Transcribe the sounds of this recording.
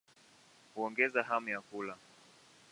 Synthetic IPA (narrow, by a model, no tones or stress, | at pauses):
huɔŋɡɛzaɦamujakula